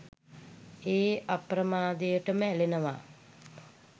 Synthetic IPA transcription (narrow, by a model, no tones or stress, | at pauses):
eːaprəmaːd̪ejəʈəməælenəʋa̰ː